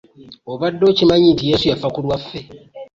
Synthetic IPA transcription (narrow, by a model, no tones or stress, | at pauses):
oβadːo̞ːcimaɲintije̞ːsujafakulwafːe̞